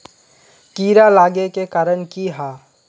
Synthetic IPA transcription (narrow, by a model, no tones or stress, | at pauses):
kiːɾalaːɡekekaːɾənkiɦaː